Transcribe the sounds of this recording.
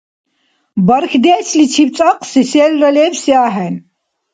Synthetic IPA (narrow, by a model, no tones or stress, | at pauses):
bɐɾxd̪ɛːslit͡ʃʰipt͡sʼaqʼsisɛːlralɛːvsiaːɦɛn